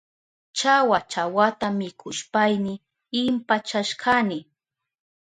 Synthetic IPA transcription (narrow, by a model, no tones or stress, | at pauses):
t͡ʃawat͡ʃawat̪amɪkʰʊʃpajnɪ | ɪmpat͡ʃaʃkʰanɪ